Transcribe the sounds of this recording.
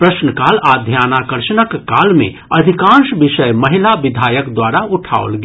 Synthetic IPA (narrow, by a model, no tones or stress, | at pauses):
pɾəsnəkalad̪ʱjanakəɾʃənəkːalmḛ̃ | əd̪ʱikãnʃbiʃəjməɦilabid̪ʱajəkd̪waɾauʈʰa̰o̰lɡe